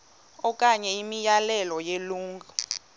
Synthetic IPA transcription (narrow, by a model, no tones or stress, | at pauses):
ɔkʼaɲɛimijalɛlɔjeluːŋɡʱa